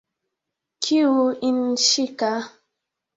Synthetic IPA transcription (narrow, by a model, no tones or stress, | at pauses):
kʰiwuinʃika